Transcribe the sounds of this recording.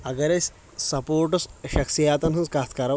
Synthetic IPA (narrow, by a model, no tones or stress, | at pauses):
ɐɡɐɾesʲ | sɐpoːɾʈusʃɐksijaːt̪ɐnɦɐnskaːst̪kaɾɐ